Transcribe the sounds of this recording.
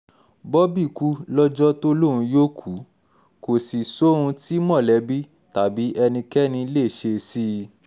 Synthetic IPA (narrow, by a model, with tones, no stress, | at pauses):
bɔ˦bi˦˨ku˦lɔ˦d͡ʒɔ˦to˦lo˦˨ɾũ˧joː˦kʰu˨˦ | ko˨si˨so˨˦ũ˧ti˦mɔ̃˦˨lɛ˨˦bi˦ | ta˨˦bi˨˦ʔɛ˧nĩ˧kɛ˦nĩ˧˦le˦˨ʃe˧si˦